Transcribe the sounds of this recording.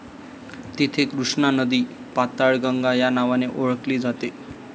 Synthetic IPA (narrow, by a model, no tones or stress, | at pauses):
t̪it̪ʰekɾuʂnanəd̪i | pat̪aɭɡəŋɡajanaʋaneʔoɭkliːd͡zat̪e